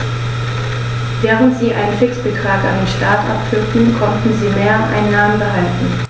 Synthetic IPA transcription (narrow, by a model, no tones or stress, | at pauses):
veːʁ̞əntz̥iːʔa̰ɪnənfɪksb̥ətʁ̥aːka̰ndeːnʃtaːtʔa̰pfʏɐtn̩kʰɔntn̩ziːmeːɐʔa̰ɪnːaːmənbəɦaltn̩